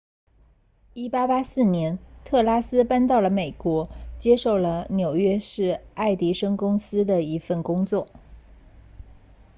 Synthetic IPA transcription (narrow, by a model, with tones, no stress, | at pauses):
i˥˩pa˥pa˥sɹ̩˥˩njɛ˧˥nt̪ʰɤ˥˩la˥sɹ̩˥pa˥nt̪̬ɑ˥˩ʊlə˩me˨˩ɪkwɔ˧˥t͡ɕjɛ˥ʂo˥˩ʊlə˩njo˨˩ʊɥɛ˥ʂɻ̩˥˧a˥˩ɪt̪i˧˥ʂɤ˥ŋkʊ˥ŋsɹ̩˥d̪ə˨i˧˥fə˥˩nkʊ˥ŋt͡swɔ˥˩